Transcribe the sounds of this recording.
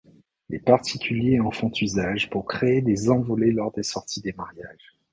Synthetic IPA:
lḛpaʁt̪ikʲyljeɑ̃fɔ̃t̪ʰyzaʒpuʁkχeːd̪ezɑ̃vɔlelɔʁd̪esɔʁt̪ʰid̪emaʁjaːʒ

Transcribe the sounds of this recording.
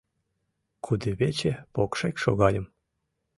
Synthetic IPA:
kʰud̪ɨβʲet͡ɕepokʃekʲʃo̰ɣɑlʲə̆m

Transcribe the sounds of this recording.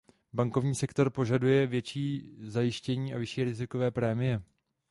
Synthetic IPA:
baŋko̞vɲiːsɛkt̪o̞ɾpo̞ʒadujɛvjɛt͡ʃiːzajɪʃcɛɲiːʔavɪʃiːɾɪzɪko̞vɛːpɾɛːmɪjɛ

